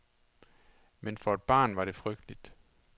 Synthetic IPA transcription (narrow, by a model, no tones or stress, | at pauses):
menfɒ̽e̝d̥̚b̥ɑ̰̈ːnʋɑ̈ɾe̝fʁœɡ̥̚d̥lid̥